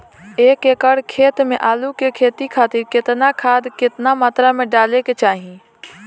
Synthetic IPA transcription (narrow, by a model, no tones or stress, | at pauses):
eːkeːkəɽkʰeːt̪mẽʔaːlukekʰeːt̪ikʰaːt̪ɪɾkɪt̪nakʰaːd̪kɪt̪namaːt̪ɾamẽɖaːleket͡ʃaːɦi